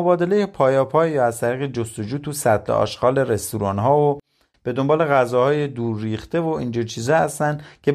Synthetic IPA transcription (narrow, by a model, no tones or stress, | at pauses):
obɒːd̪e̞le̞jepʰɒːjɒːpʰɒːjjɒːæzt̪ʰæɾiːɣed͡ʒost̪o̞d͡ʒuːt̪ʰusæt̪ʰlḛɒ̰ːʃɡɒːle̞ɾe̞st̪uɾɒːnɦɒːo | b̥e̞d̪o̞mbɒːle̞ɣæzɒːhɒːje̞d̪uːɾːiːχt̪e̞voiːnd͡ʒiɾt͡ʃʰiːzɒæst̪ænd̪cʲʰe̞